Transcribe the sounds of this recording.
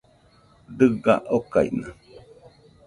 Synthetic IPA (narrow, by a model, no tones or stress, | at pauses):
d̪ɨɡaʔokaḭna